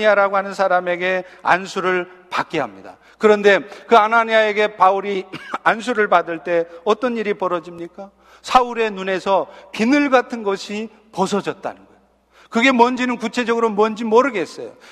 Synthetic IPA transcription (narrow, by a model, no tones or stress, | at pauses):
iaɾaɡohanɯnsʰaɾame̞ɡe̞a̰nsʰuɾɯɭpak͈eɦamɲida̰ | kɯɾʌnde̞kɯanaɲiae̞ɡe̞pauɾians̬ʰuɾɯɭpadɯɭt͈e̞ʌt͈ʌniɾipʌɾʌd͡ʑimɲik͈a | sʰauɾe̞nune̞sʰʌpinɯɭɡatʰɯnɡʌɕʰi | pʌs̬ʰʌd͡ʑʌt̚t͈a̰nɯnɡʌj | kɯɡe̞mʌnd͡ʑinɯnkut͡ɕʰe̞d͡ʑʌɡɯɾomʌnd͡ʑimʌɾɯɡe̞s͈ʌ̰jo̰